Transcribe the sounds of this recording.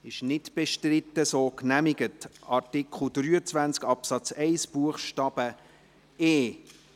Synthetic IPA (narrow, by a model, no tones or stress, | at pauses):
ɪʃnɪtb̥ɛʃtrɪtːəsoːknæmɪɡətʔɑɾtɪkχl̩d̥ɾyːət͡svænt͡skɑpsɑt͡sɛɪsb̥uəχʃtɑːb̥ə | eː